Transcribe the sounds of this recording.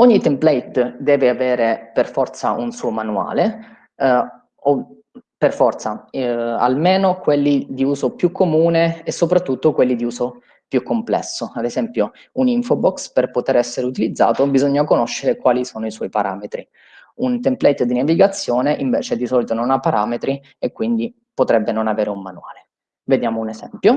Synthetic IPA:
oɲːit̪emplɛjt̪d̪ɛːveaveːɾeperfɔrt̪saʔunsuːomanua̰ːle | o | perfɔrt̪saa̰lmeːnokwelːid̪iuːzopjukʰːomuːneesːopɾat̪ːut̪ːokwelːid̪iuːzo | pjukːomplɛ̰sːoad̪ezɛmpjo | uniɱfobɔksperpot̪eɾɛsːeɾeut̪ilid̪zːa̰ːt̪obizoɲːakonoʃːeɾekwaːlisoːnoiswɔjpaɾʔa̰ːmet̪ɾi | unt̪emplɛjt̪d̪inaviɡat̪sːjɔːneʔiɱveːt͡ʃed̪isɔːlit̪ononapːaɾʔaːmet̪ɾi | ekwind̪i | pot̪ɾɛbːenonaveːɾeumːanua̰ːle | ved̪jaːmounezɛ̰mpjo

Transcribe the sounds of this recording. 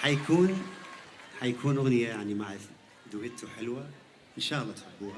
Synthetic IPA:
ħajakuːn | ħajakʰuːnʔʊɣnɪjajaʕnimaʕɾɪf | d̪ʊʕɪt̪ʊħɪlwa | ʔɪnʃaːlˤːɑt̪ħabuːha

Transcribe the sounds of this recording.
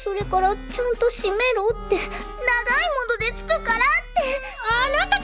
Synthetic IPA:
suɾekoɾot͡ʃʰant̪uʃimeɾut̪ːe | naɡaimõnd̪od̪et͡sɨ̥kɯkaɾat̪ːe | anat̪a

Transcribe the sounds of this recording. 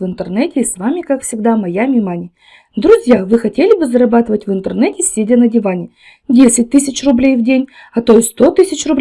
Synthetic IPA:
vɨnt̪ərnɛtʲɪːsvamʲɪkakfsʲɪɡd̪amɐjamʲɪmanʲɪ | d̪ɾʊzʲjavɨxɐtʲelʲɪbɨzəɾɐbat̪ɨvətʲvɨnt̪ərnɛtʲɪsʲedʲənədʲɪvanʲɪ | dʲesʲɪt̚ʲt̪ɨsʲɪt͡ɕrʊblʲejvdʲenʲ | ɐt̪ojɪsʲst̪o̞t̪ɨsʲɪt͡ɕrʊblʲ

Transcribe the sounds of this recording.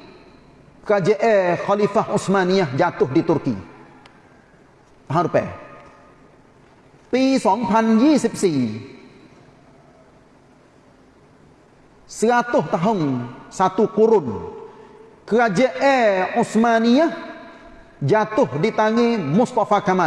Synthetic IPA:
kəɾad͡ʒəʔɛxɔlifahʔusmaniahd͡ʒat̪ʊhdit̪ʊrkḭ | t̪aɦʊnɾupɛ̰ | t̪isɔŋpʰand͡ʒisip̚si | səkat̪ʊht̪aɦʊŋsat̪ukuɾʊn | kəɾad͡ʒəʔɛusmaniah | d͡ʒat̪ʊhdit̪aŋemʊst̪afakama

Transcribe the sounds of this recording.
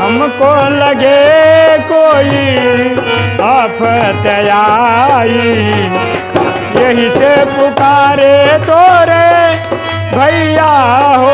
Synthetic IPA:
ɦəmkoləɡekoːi | apʰt̪ɐja | i | jeɦisepʊkaɾet̪oːɾe | bʱɐijaɦo

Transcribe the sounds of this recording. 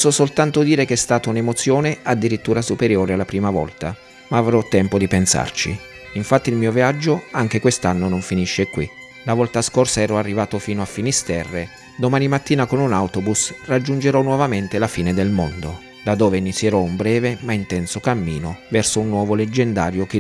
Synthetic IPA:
sːosolt̪ant̪ʊd̪iːɾek̟ɛst̪aːt̪aunemot̪sjɔːnead̪ːiɾit̪ːuːɾasupeɾjoːɾealːapɾiːmavɔ̰lt̪a | maːvɾɔt̪ːɛmpod̪ipensa̰rt͡ʃḭ | iɱfat̪ːiilmiːoviad͡ʒːoaŋk̟ekwest̪anːonoɱfiniʃːekwḭ | lavɔlt̪askorsaɛːɾɔarːivaːt̪ofiːnoafːinist̪ɛrːe | d̪omaːnimat̪ːiːnakonunawt̪obusrad͡ʒːund͡ʒeɾɔnːwɔvament̪elafiːned̪elmond̪o | d̪ad̪ːɔːveinit̪sːjeɾɔumbɾɛːvemaint̪ɛnsokamːiːnovɛrsounːwɔːvoled͡ʒːend̪a̰ːɾjok̟e

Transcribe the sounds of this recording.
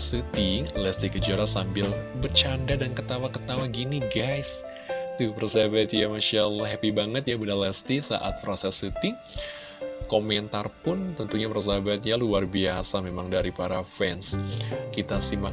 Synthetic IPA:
sɨt̪ilɛst̪ikəd͡ʒuaɾasambɪlbərt͡ʃandadankət̪awakət̪awaɡiniɡajs | t̪upərsabat̪jamaʃalɦɛpibaŋət̪jabudalɛst̪isa̰ʔa̰t̪̚pɾosɛsɨt̪i | komɛnt̪arpʊnt̪ənt̪uɲapəɾs̬abat̪̚jaluarbiasamemaŋdaɾipaɾafɛnskit̪asima

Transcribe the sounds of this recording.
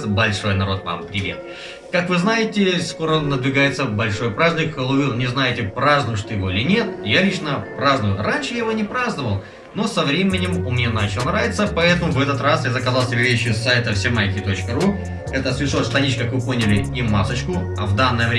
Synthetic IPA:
bɐlʲʂo̞jnɐɾo̞t̪va̰mpɾʲɪvʲe̞̰t̪̚ | kakvɨznajɪtʲɪsko̞ɾənəd̪vʲɪɡajɪt̪səbɐlʲʂo̞jpɾazʲnʲɪkːəlˠʊvʲilˠnʲɪznajɪtʲɪpɾaznʊjəʂt̪jɪvo̞ɪlʲɪnʲe̞t̪jalʲit͡ɕnəpɾaznʊjʊranʲʂɨjaɪvonʲɪpɾaznəvəlˠ | no̞sɐvɾʲemʲɪnʲɪmʊmnʲenat͡ɕɪlˠənɾavʲɪt̪səpɐɛt̪əmʊvɛt̪ət̪rasjazəkɐzalˠt̪ʲɪbʲɪvʲeɕːjʊsːajt̪əfsʲemajkʲɪt̪o̞t͡ɕkəɾu | ɛt̪əsvʲɪʂost̪ɐnʲit͡ɕkakvɨpo̞nʲɪlʲɪimːasət͡ɕkʊ | ɐvd̪anːəjəvɾʲ

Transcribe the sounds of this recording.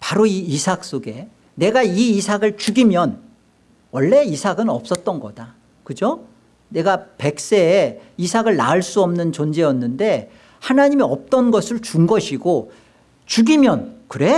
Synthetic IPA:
paɾoiːsʰak̚s͈oɡe̞ | ne̞ɡaiːsʰaɡɯɭt͡ɕuɡimjʌn | wʌɭːe̞isʰaɡɯnʌp̚s͈ʌt̚t͈ʌnɡʌda | kɯd͡ʑo | ne̞ɡape̞k̚s͈e̞ːisʰaɡɯɭna̰ɯɭs͈uʌmnɯnt͡ɕond͡ʑe̞ʌnːɯnde̞ | hanaɲimiʌp̚t͈ʌnɡʌsʰɯɭt͡ɕuŋɡʌɕʰiɡo | t͡ɕuɡimjʌnkɯɾe̞

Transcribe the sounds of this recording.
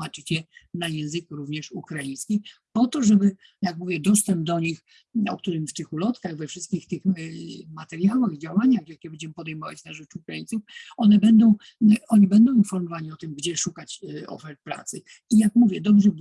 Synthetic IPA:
at͡ʂɨt͡ɕɛnajɛ̃w̃zɘkɾuvɲɛʂukɾajĩj̃skʲi | pɔt̪ɔʐɛbɘ | jakmuvʲjɛd̪ɔst̪ɛmb̚d̪ɔɲix | ɔ̰k̚t̪uɾɘmft̪ɘxulɔt̪kaɣvɛfʂɘst̪kʲixt̪ɘxmat̪ɛɾjawaxid͡ʑawaɲaxjakʲɛbɛɲd͡ʑɛmɘpɔd̪ɛjmɔva̰t͡ɕnaʐɛt͡ʂukɾajint̪sufɔnɛbɛnd̪ɔ̃w̃ | ɔɲibɛnd̪ɔ̃w̃infɔɾmɔvaɲiɔt̪ɘmɡd͡ʑɛʂukat͡ɕɔ̰fɛɾt̪̚pɾa̰t̪sɘ | ijakmuvʲjɛd̪ɔbʐɛ

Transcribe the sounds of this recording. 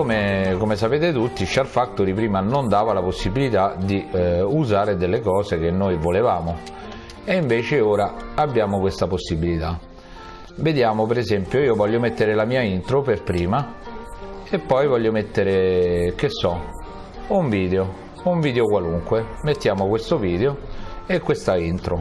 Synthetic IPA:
komekomes̬apeːt̪et̪ut̪ːit͡ʃarfat̪ːoɾipɾiːmanond̪aːvalaposːibilit̪ad̪iuzaːɾed̪elːekɔːzek̟enːojvolevaːmo | eiɱveːt͡ʃeoːɾaabːjaːmokwest̪aposːibilit̪a | ved̪jaːmopeɾezɛmpjoiːovɔʎːomet̪ːeɾelamiːaint̪ɾoperpɾiːma | epːɔjvɔʎːomet̪ːeɾek̟isːɔ | uɱviːd̪eo | uɱviːd̪eokwaluŋkwemet̪ːjaːmokwest̪oviːd̪eoekːwest̪aint̪ɾo

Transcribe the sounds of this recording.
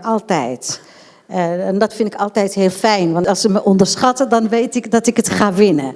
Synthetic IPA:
ɑlˠtɛjt | ɛndɑtfɪndɪkɑlˠtɛjtɦɪːlˠfɛjnʋɑnɑlˠsəməʔɔndəɹsχɑtədɑnʋejtɪkdɑtɪkətχaːʋɪnə

